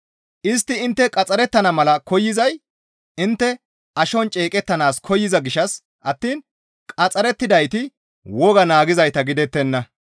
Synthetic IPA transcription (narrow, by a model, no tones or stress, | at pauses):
ʔɪs̬t̪ːɪɪnt̪ːɛkʼɐt͡sʼɐɾɛt̪ːɐnɐmɐlɐkɔjːɪzɐj | ɪnt̪ːɛ | ʔɐʃɔnt͡ʃʼeːkʼɛt̪ːɐnaːskʰɔjːɪzɐɡɪʃɐs | ʔɐt̪ːiːn | kʼɐt͡sʼɐɾɛt̪ːɪd̪ɐjt̪ɪ | wɔɡɐnaːɡɪzɐjt̪ɐɡɪd̪ɛt̪ːɛnːɐ